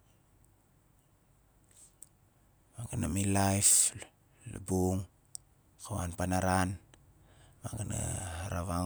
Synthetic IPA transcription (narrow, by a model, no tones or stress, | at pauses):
maŋɡanamilajf | la̰buŋ | kawanpanaɾan | maŋɡana̰haɾaβa